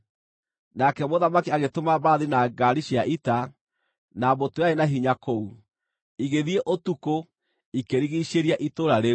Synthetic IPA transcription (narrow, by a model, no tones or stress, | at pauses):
nakɛmoðamakiaɣetomaβaðinaɡaɾiɕiaʔita | nabotoeaenaɦiɲakou | iɣeðieʔotuko | ikeɾiɣiɕeɾiaʔitoɾaɾe